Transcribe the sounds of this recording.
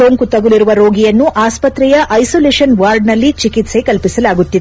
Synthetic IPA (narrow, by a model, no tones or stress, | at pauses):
oːŋkut̪ɐɡuliɾuʋɐɾoːɡijɐnːuʔaːspɐt̪ɾɛjɐʔɐjsoːleːʂɐnʋaːɾɖnɐlːit͡ʃikit̪se̞kɐlpisɐlaːɡut̪ːid̪